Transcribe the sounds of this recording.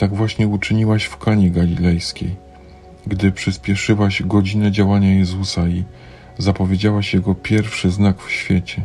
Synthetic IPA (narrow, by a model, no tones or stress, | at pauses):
t̪aɡvwaɕɲɛut͡ʂɘɲiwaɕfkaɲiɡalʲilɛjskʲḛj | ɡd̪ɘpʂɘspʲjɛʂɘwaɕɡɔd͡ʑinɛd͡ʑawaɲajɛzusai | zapɔvʲjed͡ʑawaɕjɛɡɔpʲjɛɾfʂɘznakfɕfʲjɛt͡ɕɛ